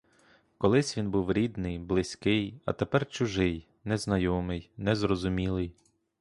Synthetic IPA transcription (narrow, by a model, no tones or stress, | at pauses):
kɔlˠɪsʲʋʲinbuwɾʲid̪nɪjblˠɪsʲkɪjɐ̰t̪epɛrt͡ʃʊʒɪj | nɛznɐjɔmɪjnɛzrɔzʊmʲilˠɪj